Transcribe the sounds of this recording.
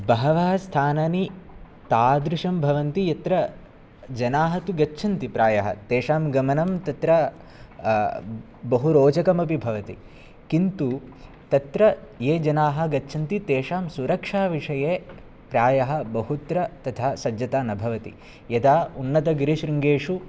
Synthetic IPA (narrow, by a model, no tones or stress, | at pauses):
bɐɦɐʋɐːɐst̪ʰaːnɐːni | t̪aːd̪ɾuʂɐmbʱɐʋɐnt̪ijɐt̪ɾɐ | d͡ʒɐnaːɦɐt̪uɡɐtːʃʰɐnt̪ipɾaːjɐɦɐ̰t̪eːʂaːmɡɐmɐnɐmt̪ɐt̪ɾɐ | bɐɦuɾoːd͡ʒɐkɐmɐp̬ibʱɐʋɐt̪i | kint̪u | t̪ɐt̪ɾɐjeːd͡ʒɐnaːɦɐ̆ɡɐtːʃʰɐnt̪it̪eːʂaːmsuɾɐkʂaːʋiʂɐjeː | pɾaːjɐɦɐ̆bɐhut̪ɾɐt̪ɐt̪ʰaːsɐd͡ʒjɐt̪aːnɐbʱɐʋɐt̪ḭ | jɐd̪aːunːɐt̪ɐɡɾiʃɾiŋɡeːʂu